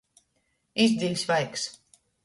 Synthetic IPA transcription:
izd̪ilʲsvajks

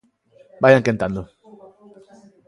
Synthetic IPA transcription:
ɓajaŋ̩kɛn̩tando

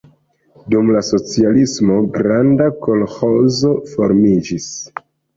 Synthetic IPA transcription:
dumlaso̞t͡sialismo̞ɡɾandako̞lho̞zo̞fo̞ɾmid͡ʒis

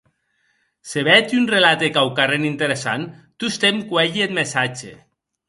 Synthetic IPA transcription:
seβɛt̪iunrelat̪ekawkarenint̪eɾesa̰nt̪ust̪emkwɛʎiet̪mesat͡ʃḛ

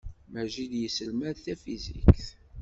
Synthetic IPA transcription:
mæʒid̪jəsəlmæðθæfizḭkkθ

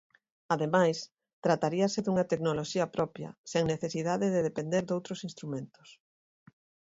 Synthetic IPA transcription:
aðemajs | t̪ɾat̪aɾiɐsɪðuŋɐt̪eknoloʃiɐpɾɔpjɐ̰seŋneθesiðaðeðeðepend̪eɾðowt̪ɾosinst̪ɾumẽnt̪ʊ̥s

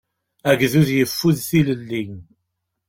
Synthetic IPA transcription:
æɡðuðjəfːuðθiləlːin

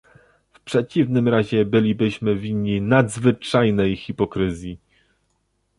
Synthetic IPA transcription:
fpʂɛt͡ɕivnɘmɾaʑɛbɘlʲibɘɕmɘvʲiɲːinad̪zvɘt͡ʂajnɛjxʲipɔkɾɘzʲji

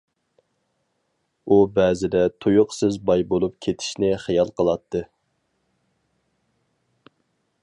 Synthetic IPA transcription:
ubɛzɪd̪ɛt̪ʰujʊqsɪzbɑjbolˠup̚kʲʰet̪ʰɪ̥ʃnɪχijɑlˠqʰəlˠɑt̪ʰːɨ

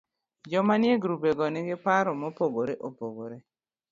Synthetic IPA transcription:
d͡ʒɔmanjeɡɾubeɡɔnɪɡɪpaɾɔmɔpoɡoɾeʔopoɡoɾe

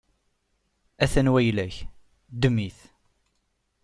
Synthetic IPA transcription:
æθænwæjlæç | d̪əmːiθ

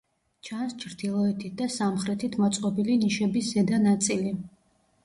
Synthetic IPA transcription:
t͡ʃʰanst͡ʃʰɾd̪ilˠɔɛt̪ʰit̪̚d̪asamχɾɛt̪ʰit̪ʰmɔt̪sʼqʼɔbiliniʃɛbiszɛd̪anat̪sʼili

